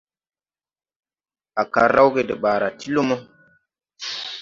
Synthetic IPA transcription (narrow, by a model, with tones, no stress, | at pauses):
a˨ka˨ɾa˦wɡe˨də˨ɓa˨ɾa˨ti˦lo˦mo˦